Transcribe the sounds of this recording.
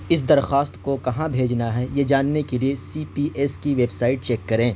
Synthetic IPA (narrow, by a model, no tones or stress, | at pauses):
ɪs̬d̪ɐɾxaːst̪kokɐɦãbʱeːd͡ʒnaɦɛjed͡ʒaːnːekeliesiːpiːʔɛskiʋeːbsaːɪʈ̚t͡ʃɛːkːɐɾẽː